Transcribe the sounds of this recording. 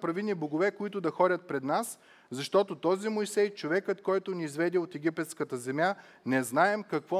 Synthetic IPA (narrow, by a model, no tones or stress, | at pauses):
pɾɐviniboɡovɛkoit̪ʊd̪ɐxɔɾʲɐt̪̚pɾɛd̪nas | zɐʃt̪ɔt̪ot̪ɔzimojsɛjt͡ʃovɛkət̪kɔjt̪ʊniːzvɛd̪ɛot̪ɛɡʲipɛt̪skət̪əzɛmʲja | nɛznaɛmkɐkvɔ